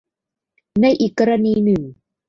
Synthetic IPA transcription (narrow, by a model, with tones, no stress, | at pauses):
na˥˧˨jʔi˨˩kːa˧ɾa˧niː˧nɯ˨˩ŋ